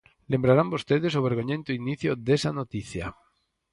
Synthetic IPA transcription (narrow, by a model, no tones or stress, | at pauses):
lembɾaɾambost̪eðesoβ̞eɾɣ̞oɲẽnt̪oiniθjoðesanot̪iθja̰